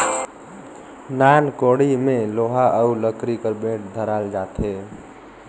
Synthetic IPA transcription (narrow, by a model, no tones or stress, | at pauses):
nankoɽimeloɦaʔəuləkɾikəɾbẽʈd̪ʱəɾald͡ʒat̪e